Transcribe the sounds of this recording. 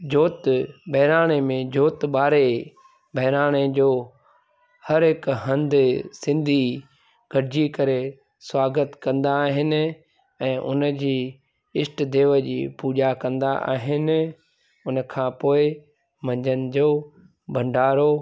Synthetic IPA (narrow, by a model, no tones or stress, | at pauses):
d͡ʑʱoːt̪bʱɐɦɾaːɽ̃emẽd͡ʑʱoːt̪ɓaːɾe | bʱɐɦɪɾaːɽ̃ed͡ʑoː | hɐɾɦɪkɦɐ̃nd̪ɪsɪ̃nd̪ʱi | ɡ̥ʱɐɾɪd͡ʑikɐɾe | swaːɡət̪kɐ̃nd̪aːɦɪnɪ̆ | ɛ̃ːʔʊ̰nə̆d͡ʑiː | ɪsʈd̪eːʋəd͡ʑḭːpuːd͡ʑakɐ̃nd̪aʔa̰ːɦɪnɪ̆ | ʊnəkʰãːpoːɪ | mɐ̃ɲd͡ʑʱənɪ̆d͡ʑoː | bʱɐ̃ɳɖʱaːɾo